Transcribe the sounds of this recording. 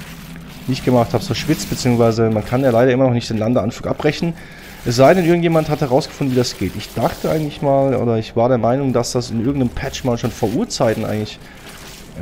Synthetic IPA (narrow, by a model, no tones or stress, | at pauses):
nɪçtɡ̥əmaχthaːbsoʃv̥ɪt͡stb̥ət͡siːʊŋsv̥aɪzəmankʰanjaːlaɪɾɐʔɪmɐnɔχnɪçtd̥eːnlandəɐʔanfluːkʔapʁɛçnən | ʔɛsz̥aɪdɛnʔɪɐɡŋ̩tjeːmanthathɛʁaʊsɡ̥ə̥fʊndn̩viːdasɡ̥eːtɪçd̥aχtəʔa̰ɪŋ̩tlɪçmaːlʔo̰ːdɐɪçv̥aːɐɾeːɐmaɪnʊŋdasd̥asɪnʔɪɐɡŋ̩tnəmpʰɛt͡ʃmaːlʃoːnfoːɐʔuːɐt͡saɪtn̩ʔa̰ɪɡŋ̩tlɪç